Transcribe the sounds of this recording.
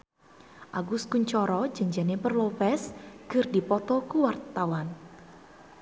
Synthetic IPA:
ʔaɡʊskuɲt͡ʃɔɾɔd͡ʒaɲd͡ʒanepərlopɛsɡ̥ɨrdipɔt̪ɔkuwart̪awan

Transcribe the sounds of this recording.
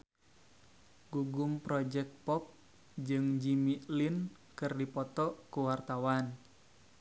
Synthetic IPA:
ɡuɡʊmpɾɔd͡ʒɛk̚t̪̚pɔp̚ | d͡ʒɨŋd͡ʒimilin | kɨrdipɔt̪ɔkuwart̪awan

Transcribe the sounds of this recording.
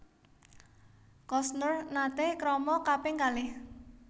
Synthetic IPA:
kɔsnərnat̪ɪhkɾɔmɔkapɪŋkalɪh

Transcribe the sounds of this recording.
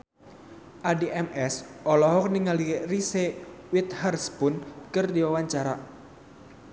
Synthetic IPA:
ʔadiʔɛmɛsʔɔlɔɦɔk̚niŋalirisewit̪̚harspʊnkɨrdiwawaɲt͡ʃaɾa̰

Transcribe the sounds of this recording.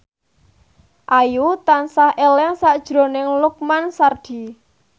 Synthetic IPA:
ʔajut̪ansahʔelɛŋsaʔd̥ʒ̥ɾo̤nɪŋluk̚mansard̪̥i̤

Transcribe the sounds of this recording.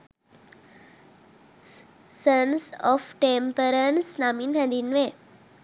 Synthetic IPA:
sənsɔfʈempəɾənsnaminɦə̃d̪inʋe

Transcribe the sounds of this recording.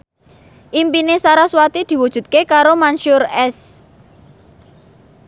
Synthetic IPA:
ʔimpinesaɾaswat̪id̪̥i̤wud̥ʒ̥ṳt̪̚kekaɾomanʃʊrɛs

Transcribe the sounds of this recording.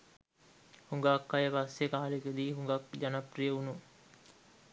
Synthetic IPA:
huŋɡaːkːajəpasjekaːaleked̪iːɦuŋɡak̚d͡ʒanaprijəunu

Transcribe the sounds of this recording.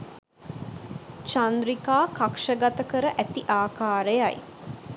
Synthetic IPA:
t͡ʃand̪ɾikaːkakʂəɡat̪əkəɾəʔæt̪iʔaːkaːɾəjaj

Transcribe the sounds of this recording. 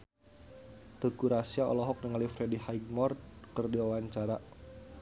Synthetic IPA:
t̪əkuɾasiaɔ̰lɔɦɔk̚nəŋalifɾedihajɡ̚mɔrt̪̚kərdiɔwaɲt͡ʃaɾa

